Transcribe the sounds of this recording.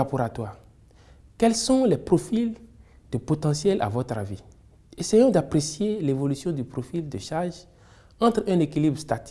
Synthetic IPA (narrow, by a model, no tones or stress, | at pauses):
apoɾat̪waːʁ | kɛlsɔ̃lɛpʁofil | d̪̥əpot̪ɑ̃sjɛlʔa̰vɔt̪ɾavi | esejɔ̃d̪apɾesjelevolysjɔ̃d̪ypʁofild̪əʃaʁʒ | ɑ̃t̪χɛ̃nekilibʁst̪at̪i̥